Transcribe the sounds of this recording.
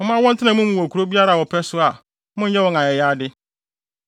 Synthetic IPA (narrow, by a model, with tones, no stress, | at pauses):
mɔ̃˨˦mã˦wɔ̃˦n˦tʰɪ˦nã˨˦mũ˦mũ˨wkʰu˨ɾo˦bi˦a˦ɾa˨wɔ˨pʰɛ˦sʊ˦a˨ | mʊ̃˦ɛ˦wɔ̃˨ŋã˨ɛ˨jaː˦dɪ˦